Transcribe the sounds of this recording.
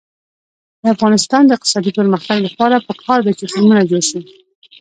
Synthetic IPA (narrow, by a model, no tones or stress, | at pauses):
d̪əafɣɑnɪst̪ɑnd̪əɪq̚t̪ɪ̥sɑd̪ipəɾməxt̪aɡlapɑɾapəkʰɑɾd̪at͡ʃɪtumunad͡ʒoɽʃu